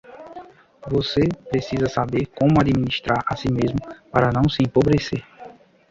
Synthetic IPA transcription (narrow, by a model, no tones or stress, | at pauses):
vosepɾesizɐsabeɾkõmʊad͡ʒimĩniʃt̪ɾaɾa̰simezmʊpaɾɐnɐ̃w̃sɪẽpobɾeseɾ